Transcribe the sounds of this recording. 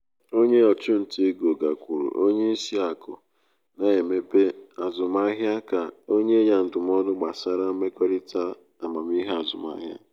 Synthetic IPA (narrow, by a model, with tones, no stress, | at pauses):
o˦ɲe˦ɔ˨t͡ʃʊ˦n̩˨ti˦ɡo˨ɡa˨kʷu˨ɾṵ˨ʔo˦ɲe˦i˦si˦a˨kʊ̰˨ | na˨e˨me˦pe˦a˨zʊ˨ma˦ɦja˦ka˨o˦ɲe˦ɲa˨n̩˨dʊ˨m˦ɔ˦dʊ˦ɡ͡ba˨sa˦ɾa˦me˦kɔ˦ɾi˦ta˦ | a˨ma˨m˦i˦ɦe˦a˨zʊ̰˨ma̰˦ɦja̰˦